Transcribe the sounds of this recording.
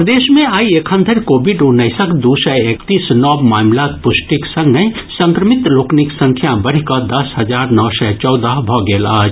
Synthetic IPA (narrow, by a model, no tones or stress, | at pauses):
pɾəd̪esmẽaiekʰə̃nd̪ʱəɾkobʱiɖunəɪsəkd̪usɛekt̪isnɔbmamlakpusʈiksə̃ŋɡnesə̃ŋkɾəmit̪lokniksə̃ŋkʰjabəɾ̤ikəd̪ɐsɦəd͡ʒaɾnɔwsɛt͡ʃɔwd̪əɦbʱɔɡeːlaːd͡ʒ